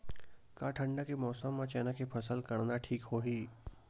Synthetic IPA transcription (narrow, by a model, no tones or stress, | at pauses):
kaːʈʰə̃ɳɖakemɔːsəmːãt͡ʃɛːnakepʰɐsəlkɐɽnaʈʰiːkɦoːɦiː